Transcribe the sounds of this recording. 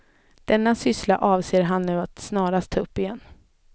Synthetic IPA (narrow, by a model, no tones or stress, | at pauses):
d̪̥ɛnːasʏslaʔɑːvseːɾɦanːʉ̟ːat̪snɑːɾast̪ʰːɑːɵpːɪjɛnː